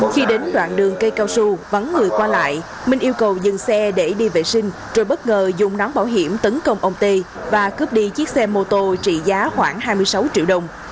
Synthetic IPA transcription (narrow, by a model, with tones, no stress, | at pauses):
xi˧ɗe˨˦nɗwa̰ː˧˨nɗɨ˨˩əŋkə˧jkaː˧wsu˧və˨˧˦nŋɨ˨˩əjkwaː˧la̰ː˧˨j | mï˨˩ŋ̟ʔi˧əwkə˨˩wzɨ˨˩ŋsɛ˧ɗe˧˩ɗi˧vḛ˨˩sï˧ŋ̟ | zo˨˩jɓə˦˥t̚ŋəː˨˩zʊ˨˩ŋ͡mnɔ˨˦nɓaː˧˩wɦi˧˩əmt̪ə˨˦nkə˧wŋ͡mʔə˧wŋ͡mt̪e˧ | vaː˨˩kɨ˦˥p̚ɗi˧t͡ɕi˦˥ək̚sɛ˧mo˧t̪o˧t͡ɕḭ˧˩˨zaː˨˦xwaː˧˩ŋɦaː˧jmɨ˧əjsa˨˦wt͡ɕḭ˧əwɗə˨˩wŋ͡m